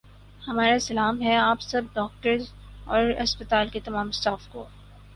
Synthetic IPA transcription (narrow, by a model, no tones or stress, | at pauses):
hɐmaːɾasɐlaːmɦɛaːpsɐb̚ɖɔːk̚ʈəɾz | ɔːɾɐspət̪aːlket̪ɐmãːmɪst̪aːfko̰ː